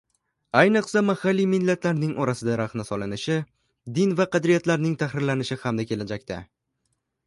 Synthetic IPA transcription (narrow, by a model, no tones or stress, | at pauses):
ajnɨqsamahalːijmɪnlːat̪laɾnɪŋʔɒɾasɪd̪aɾaχnɪsɒlɪnɪʃɪ | d̪ɪnvaqɑd̪ɾijat̪laɾnɪŋt̪ʰaχɾɪɾlanɪʃɪhamd̪akʲʰe̞lad͡ʒakʲt̪ʰa̰